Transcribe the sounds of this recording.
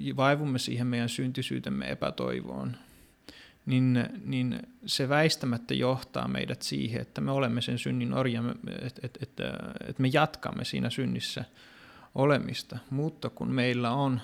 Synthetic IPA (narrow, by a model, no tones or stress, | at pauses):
ʋɑiʋumːesḭːhemmeijænsynt̪isy̰ːt̪emːḛḛpæt̪o̰iʋo̰ːn | ninninseʋæist̪æmæt̪ːæjoht̪ɑ̰ːmḛidæt̪sḭːheḛt̪ːæmeolemːesensynːino̰rjɑmet̪et̪et̪ḛt̪mejɑt̪kɑ̰mːesḭːnæsynːisːæ | ʔolemist̪ɑmuːt̪ːɑkunmeilːæon